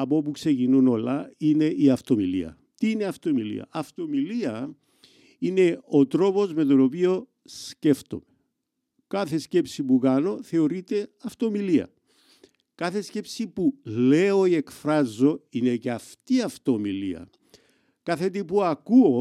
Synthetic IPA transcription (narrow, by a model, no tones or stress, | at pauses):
ɐpo̞pukse̞cinuno̞lɐine̞ʔiɐft̪o̞milḭɐ̰ | t̪iineɐft̪o̞milḭɐ̰ɐft̪o̞miliɐ | ine̞o̞t̪ɾo̞po̞zmet̪o̞no̞pio̞ | sce̞ft̪o̞̰me | kɐθe̞sce̞psipukɐno̞θe̞o̞ɾit̪e̞ɐft̪o̞miliɐ̰ | kɐθe̞sce̞psipule̞o̞ie̞kfɾɐzo̞ine̞ceɐft̪iɐft̪o̞milḭɐ̰ | kɐθe̞t̪ipuɐkuo